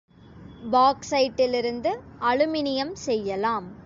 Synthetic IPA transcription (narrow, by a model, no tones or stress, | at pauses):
baːksɐɪʈːɪlɪɾɯnd̪ɯɐɻɯmɪnɪjɐmsɛjːɐlaːm